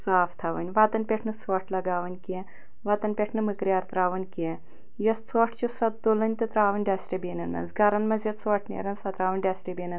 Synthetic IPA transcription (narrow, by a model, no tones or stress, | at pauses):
saːft̪ʰaːʋɐ̰nʲʋaːt̪ɐnpʲeʈʰnɨt͡sʋɐʈʰlɐɡaːʋɐnʲkiɛ | ʋaːt̪ɐnpʲeʈʰnɨmɨkɾʲjaːɾt̪ɾaːʋɐnʲkiɛ | jɐst͡sʰɔʈʰt͡ʃusɐt̪̚d̪olɐnʲt̪ɨt̪ɾaːʋɐnʲɖʲaːsʈɐbʲeːnɐnmɐ̰nzɡɐɾɐnmɐzʲɐt̪t͡sʋɔʈʰnʲḛɾɐnsɐt̪ɾaːʋɐnʲɖʲasʈebʲeːnɐn